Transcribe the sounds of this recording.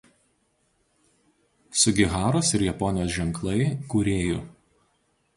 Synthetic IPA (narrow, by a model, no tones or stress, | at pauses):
sʊɡʲɪɣɑːɾoːsɪɾjɛpɔnʲɪjoːs̬ʒʲɛŋˑklˠɐɪkuːɾʲeːjʊ